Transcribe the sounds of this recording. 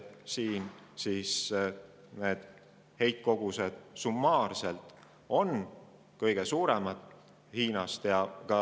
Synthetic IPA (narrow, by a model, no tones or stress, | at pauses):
siːnsiːs | ne̞ːd̪̥ | he̞jt̪̚ko̞ɡ̥used̪̥sumːɑːrselt̪ˑ | o̞n | kɤjɡ̥esuːɾemɑd̪̥ | hiːnɑst̪jɑkɑ